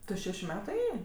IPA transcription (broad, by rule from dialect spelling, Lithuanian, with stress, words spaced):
ˈtʊ ˈʃʲæːʃʲʊ ˈmʲæːtʊ ˈeːjeː